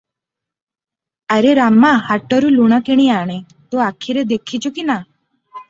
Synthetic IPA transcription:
əɾeɾamːahaʈːɔɾuluɽ̃əkeɽ̃iaɽ̃e | t̪oakʰiɾed̪ekʰit͡ʃukina

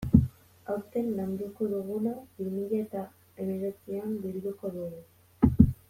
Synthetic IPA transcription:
awt̪e̞nːand̪ukoðuɣunabimiʎat̪a | emeɣet͡siambiɾðuko̞ðuɣu

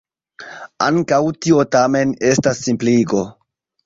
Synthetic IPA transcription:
a̰ŋkawtiotame̞ne̞stasːimpliɡo̞

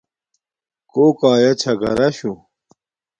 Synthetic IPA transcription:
koːkaːjɐt͡ɕʰɐɡɐ̰ɾɐɕu

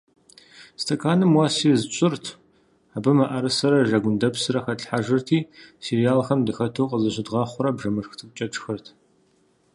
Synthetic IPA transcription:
stʰɐkʰaːnɨmwaːsiːzɨt͡ʃʼʊrtʰ | aːbɨmaʔɐɾɨsɐɾɐʒɐɡʷʊndɐpsɨrɐxɐɬħaʒɨrtʰiːsirijaːlxɐmdɨxɐtʰowqʼəzɐɕɪdʁɑːχʷʊɾɐbʐɐmɨʂxtʰɨp̚t͡ʃʼɐʈ͡ʂʼxɐrtʰ

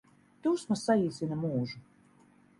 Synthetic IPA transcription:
t̪uːsmasaiːzʲinamuːʒu

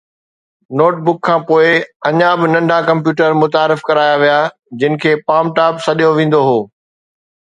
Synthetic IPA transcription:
noːʈ̚bʊkʰːãːpoːɪɐɲabɪnɐ̃ɳɖʱakɐ̃mp̬juːʈəɾmʊt̪aːɾɪfkɐɾaːjaʋija | d͡ʑɪnɪ̆kʰeːpaːmʈaːpsɐɗijoʋẽːn̆d̪oɦoː

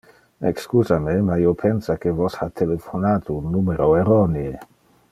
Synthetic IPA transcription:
ekskuzamemaiopʰensakevɔshat̪ʰelefonat̪unːumeɾoeɾɔnee

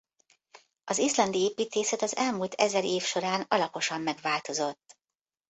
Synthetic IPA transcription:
ɒzislɒnd̪ieːpiːt̪eːsɛt̪ɒzɛlmult̪ʰɛzɛɾeːfʃo̞ɾaːnɒlɒpo̞ʃɒmːɛɡvaːlt̪o̞zo̞t̪ː

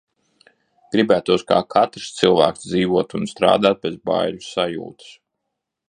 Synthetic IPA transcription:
ɡ̥ɾibæːt̪uɔska̰ːkʰat̪ɾst̪sɨlˠvæ̰ːksd̪ziːvuɔt̪unst̪ɾa̰ːd̪aːt̪̚bʲezba̰jʎussajṵːt̪ɨ̥s

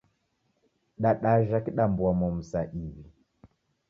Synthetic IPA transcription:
ɗaɗaʒakiɗambuwamɔm̩saʔiβi

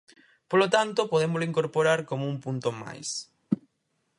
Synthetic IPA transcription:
polot̪ant̪opoðemʊozloiŋkoɾpoɾaɾkomoumpunt̪oma̰js

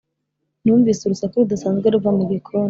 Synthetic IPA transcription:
nuːɱviːsuɾusakoɾudasaːnzɡeɾuvamuɡekʰon

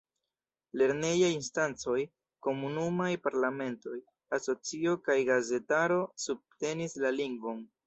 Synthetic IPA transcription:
le̞ɾne̞jajinstant͡so̞j | ko̞munumajpaɾlame̞nto̞j | aso̞t͡sio̞kajɡaze̞taɾo̞sub̚te̞nislaliŋɡvo̞n

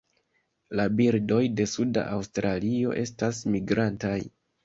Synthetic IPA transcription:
labiɾdo̞jde̞suda̰ʔawstɾalio̞̰ʔe̞stasmiɡɾantaj

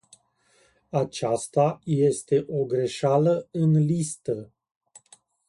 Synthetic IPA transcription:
at͡ʃast̪aje̞st̪e̞ʔo̞ɡɾe̞ʃaləɨnlist̪ə

